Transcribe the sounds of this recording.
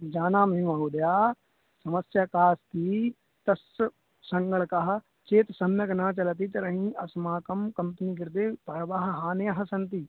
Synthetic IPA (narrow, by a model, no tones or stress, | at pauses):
d͡ʒaːnaːmɐɦĩaːɦuːd̪jaː | sɐməsjaːkaːskiː | t̪ɐs | sɐ̃ŋɡəɭkaɦ | t͡ʃeːt̪sɐmjɐknaːt͡ʃɐlt̪̬it̪ɐɾɐɦĩɐsmaːkɐmkɐmpniɡ̬ɪɾt̪eːpɐɾʋaɦɦaːnejɐɦɐsɐnt̪iː